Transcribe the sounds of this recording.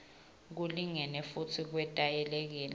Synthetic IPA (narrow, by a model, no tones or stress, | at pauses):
k̬uliŋɛnɛfutʰik̬wɛtʼajɛlek̬iːl